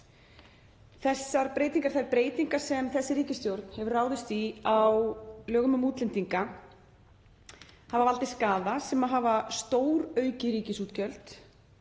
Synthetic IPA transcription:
θɛsːaɾpɾeːjt̪iŋkaɾ̥θaɪɾpɾeːjt̪iŋkḁsɛmθɛsːɪɾiːcɪst̪jowɾt̪n̥hɛvʏraːwðɪst̪iawlœːɣʏmʏmuːt̪lɪnt̪iŋka | havavalt̪ɪskaːðasɛmaɦavast̪oːwɾœːɥcɪɾiːcɪsuːt̪cʰœl̥t̪

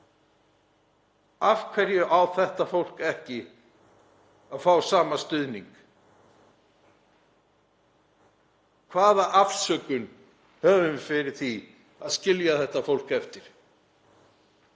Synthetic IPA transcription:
afkʰvɛɾjʏʔawθɛht̪afowl̥kɛhcɪ | aðfawsaːmast̪ʏðniŋk | kʰvaːðaʔafsœːkʏn | hœːvʏmfɪɾɪɾ̥θi | aðscɪljaθɛht̪afowl̥kɛft̪ɪɾ̥

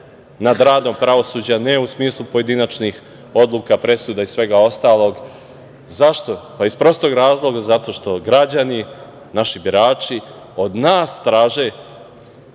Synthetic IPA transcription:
nad̪ɾaːd̪o̞mpɾaʋo̞suːd͡ʑanɛusmiːslˠupo̞je̞d̪inat͡ʃnix | o̞d̪lˠukapɾe̞suːd̪aizssʋe̞ɡao̞st̪aːlo̞ɡ | zaʃt̪o̞paispɾo̞st̪o̞ɡɾaːzlˠo̞ɡazat̪o̞ʃt̪o̞ɡɾad͡ʑani | naʃibiɾaːt͡ʃi | o̞d̪naːst̪ɾaːʒe

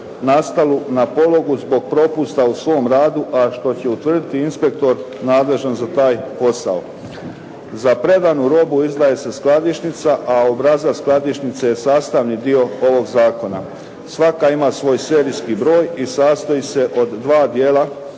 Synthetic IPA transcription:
nast̪alunapo̞lo̞ɡuzbo̞ɡ̚pɾo̞pust̪ausʋo̞ːmɾaːd̪uʔaʃt̪o̞t͡ɕe̞ut̪ʋər̩d̪it̪iinspe̞k̚t̪o̞ɾ | naːd̪le̞ʒanzat̪aːjpo̞sa̰o | zapɾe̞d̪anuɾo̞buizd̪aːje̞se̞sklˠad̪iʃnit̪saʔaobɾazasklˠad̪iʃnit̪seje̞saːst̪aʋnid̪io̞o̞ʋo̞ɡzaːko̞na̰ | sʋakaimasʋo̞ːjse̞ɾiskibɾo̞ːjisaːst̪oiːse̞ʔo̞d̪ːʋaːd̪jeːla

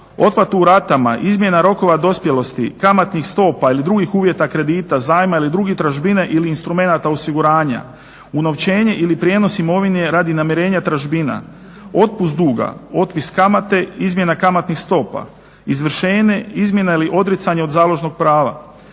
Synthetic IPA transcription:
o̞t̪plat̪uuɾat̪amaʔizmje̞naɾo̞ko̞ʋad̪o̞spje̞lo̞st̪ikamat̪nixst̪o̞ːpailid̪ɾuɡixuːʋje̞t̪akɾe̞d̪iːt̪azaːjmailid̪ɾuɡit̪ɾaʒbineʔiliːnst̪ɾume̞nat̪ao̞siɡuɾaːɲa̰ | uno̞ʋt͡ɕe̞ːɲe̞ʔilipɾje̞ːno̞simo̞ʋine̞ɾad̪inamjeɾe̞ːɲat̪ɾaʒbina̰ | o̞t̪̚pus̬t̪d̪uːɡa̰o̞t̪̚piskamat̪e̞izmje̞nakamat̪nixst̪o̞ːpa̰ | izʋr̩ʃe̞ːɲe̞izmʲje̞nailiʔo̞d̪ɾit̪saɲeo̞d̪zaːlˠo̞ʒno̞ɡ̚pɾaːʋa̰

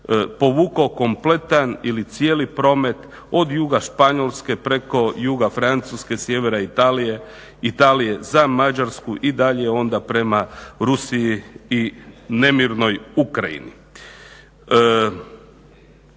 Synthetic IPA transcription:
po̞ʋuːkaoko̞mplet̪anilit̪sijelipɾo̞ːme̞t̪ | o̞d̪juɡaʃpaɲo̞lˠske̞pɾe̞ko̞juɡafɾant̪suske̞sje̞ʋeɾait̪alie | it̪alije̞zamad͡ʒaɾskuʔid̪aʎeo̞nd̪apɾe̞maɾusiiine̞miɾno̞jukɾajḭnḭ

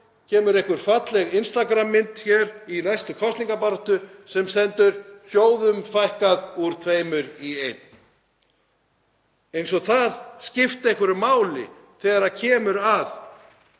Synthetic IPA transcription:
cʰɛːmʏɾejhkʏɾ̥fat̪lɛɣɪnst̪akɾamːɪnt̪çɛːɾinajst̪ʏkʰɔst̪iŋkapaɾaht̪ʏsɛmsɛnt̪ʏɾ̥sjoːwðʏmfajhkaðuɾ̥t̪ʰveːjmʏɾiejt̪n̥ | ejnsɔɣθaðscɪft̪ehkʏɾʏmaːwlɪ̰ | θɛːɣɾacʰɛːmʏɾað

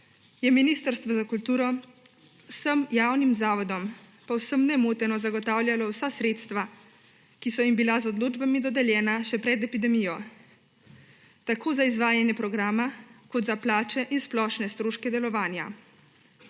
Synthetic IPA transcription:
jɛminist̪əɾst̪ʋɔzakult̪uːɾɔ | wsəmjaːwnimzaːʋɔd̪ɔm | pawsəmnɛmoːt̪ɛnɔzaɡɔt̪aːwljalɔwsasɾeːt̪st̪ʋa | kisɔimbilazɔd̪loːd͡ʒbamid̪ɔd̪ɛljɛːnaʃɛpɾɛd̪ɛpid̪ɛmijɔ | t̪akoːzaizʋaːjanjɛpɾɔɡɾaːmakɔt̪zaplaːt͡ʃɛʔinsplɔʃnɛst̪ɾoːʃkɛd̪ɛlɔʋaːnja̰

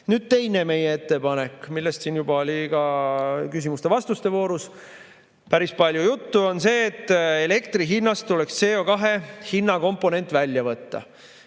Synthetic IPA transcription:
nyːd̪̥t̪e̞jne̞me̞jee̞t̪ːe̞pɑne̞kːmilːe̞st̪siːnjubɑolʲikɑkysimust̪e̞vɑst̪ust̪e̞vo̞ːɾus | pæɾispɑlʲjujut̪ːuo̞nse̞ːt̪ːˑele̞k̚t̪riɦinːɑst̪ːulekst̪se̞ːo̞kɑɦe̞hinːɑko̞mpːo̞ne̞nt̪ːˑvælʲjɑvɤt̪ːɑ̰

